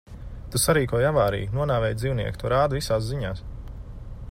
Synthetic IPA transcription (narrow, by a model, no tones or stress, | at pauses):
t̪asaɾiːkuɔjavaːɾḭːjnuɔnaːvɛːj̪ziːwniɛkt̪uɔɾaːd̪visaːs̬ziɲaːs